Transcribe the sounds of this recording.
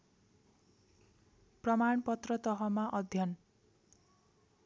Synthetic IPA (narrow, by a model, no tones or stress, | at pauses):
prʌmaɳpʌt̪rʌt̪ʌɦʌmaʔʌd̪ʱjʌn